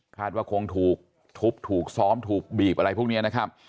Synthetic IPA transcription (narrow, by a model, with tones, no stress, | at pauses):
kʰaː˥˩t̪̚waː˥˩kʰo˧ŋt̪ʰuː˨˩k̚ | t̪ʰu˦˥p̚t̪ʰuː˨˩k̚sɔː˦˥mt̪ʰuː˨˩k̚biː˨˩pʔa˧ɾa˧jpʰuː˥˩ni˦˥ɐ˧na˦˥kʰa˦˥p̚